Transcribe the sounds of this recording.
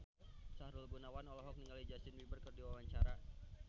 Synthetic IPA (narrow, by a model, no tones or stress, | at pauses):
sahɾulbunawanɔlɔɦɔk̚niŋalid͡ʒasɪnwibərkərdiwawaɲt͡ʃaɾa